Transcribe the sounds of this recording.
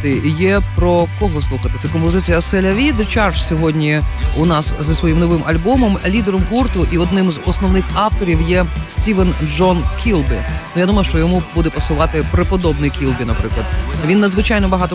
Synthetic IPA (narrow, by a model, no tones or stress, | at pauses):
t̪ɪjɛpɾɔkɔɦɔslˠuxɐt̪ɪ̥t̪sɛkɔmpɔzɪt͡sʲijɐsɛlʲɐʋʲid̪t͡ʃɑrʃsʲɔɦɔdʲnʲiʊnɑszɐsʋɔjimnɔʋɪmʔɐlʲbɔmɔmlʲid̪eɾɔmɦurt̪ʊʔiɔd̪nɪmzɔsnɔʋwnɪxɑwt̪ɔɾʲiwjɛsʲtʲiʋɛnd͡ʒɔnkʲʰilˠbɪnujad̪umɐjʊʃt͡ʃɔjɔmubud̪ɛpɔsʊʋɑt̪ɪpɾepɔd̪ɔbnɪjkʲilˠbʲinɐpɾɪklˠɐd̪ʋʲinːɐd̪zʋɪt͡ʃɑjnɔbɐɦɑt̪ɔ